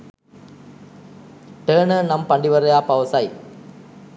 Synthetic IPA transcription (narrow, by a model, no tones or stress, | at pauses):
ʈeːɳɨnɐmpɐɳɖiʋɐɾɐjaːpɐʋɐsaːj